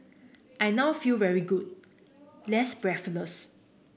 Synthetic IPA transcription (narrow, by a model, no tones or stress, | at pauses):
ʔajnawfilvɛɹiɡud̚ | lɛtsbɹɛfələs